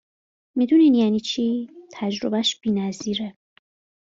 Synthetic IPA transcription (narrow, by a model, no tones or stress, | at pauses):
mid̪uninjæniːt͡ʃʰiːt̪ʰæd͡ʒɾobæʃb̥iːnæziːɾe